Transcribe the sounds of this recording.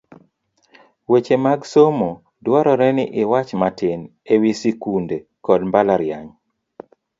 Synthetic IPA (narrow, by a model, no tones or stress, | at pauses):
wet͡ʃemaɡsomo | dwɔɾɔɾɛnɪʔɪwat͡ʃmatɪn | ewisikunde | kɔdmbalaɾjaɲ